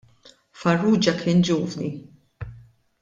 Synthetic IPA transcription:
fɐrːuːd͡ʒɐkʰɪːnd͡ʒuːvni

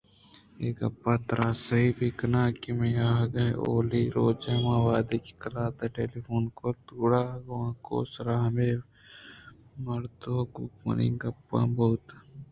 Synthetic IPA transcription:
eːkɐpːaːt̪ɾʔaːsɐɦibikɐnaːkimẽjaːɡɐo̰ːliɾoːd͡ʒaːmãːʋaːd̪eki̥kɐlaːt̪ɐʈeːlifoːnkot̪uːɽaːɡwãːko̰ːsɾaːmeː | mɐɾt̪oːɡukmɐ̰nḭŋɡɐpːã̰ːboːt̪

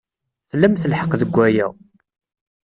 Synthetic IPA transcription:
θlːæmθəlħəqðəɡʷːæjæ̰

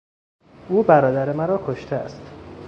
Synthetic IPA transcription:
uːbæɾɒːd̪æɾemæɾɒːkʰoʃt̪ʰeæ̰st̪

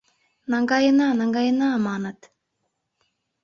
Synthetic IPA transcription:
naŋɡajənanaŋɡajənamaːnat̪

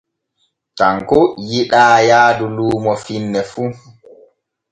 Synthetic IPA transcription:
taŋkɔjiɗaːjaːduluːmɔfinːɛfu

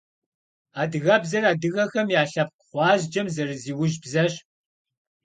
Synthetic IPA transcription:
aːdɨɣɐbzɐraːdɨɣɐxɐmjaːɬɐp̚kʷχʷɑːʑd͡ʒɐmzɐrɨziːwʊʒbzɐɕ

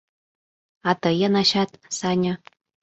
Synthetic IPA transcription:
ɑt̪ɤjənɑɕɑt̪sɑnʲo

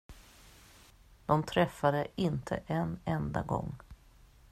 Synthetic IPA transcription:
d̪̥ɔmt̪ʰɾɛfːad̪əɪnt̪ʰə̰ʔɛnɛnd̪a̰ɡɔ̰ŋː

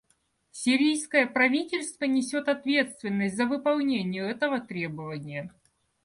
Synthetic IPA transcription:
sʲɪɾʲijskəjəpɾɐvʲitʲɪlʲst̪vənʲɪsʲot̪ɐt̪vʲe̞t̪st̪vʲɪnːəsʲtʲzəvɨpɐlˠnʲenʲɪjʊɛt̪əvət̪ɾʲebəvənʲɪjə

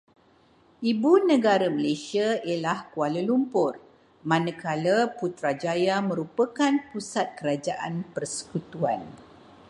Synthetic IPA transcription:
ibunə̃ɡaɾəməlesiailahkualəlumpʊr | mãnə̃kaləput̪ɾad͡ʒajamə̃ɾupəkanpusat̪̚kəɾad͡ʒaʔanpərsə̥kut̪uan

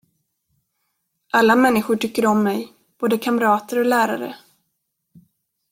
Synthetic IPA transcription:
ʔalːamɛnːɪɧʊʈʰʏkːəɾɔmːɛj | b̥oːd̪əkʰamɾɑːt̪əɾɔlæːɾa̰ɾə̰

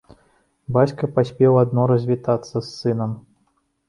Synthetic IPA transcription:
bat͡sʲkɐpasʲpʲɛwad̪nɔɾɐzʲvʲit̪at̪sːɐsːɨnɐm

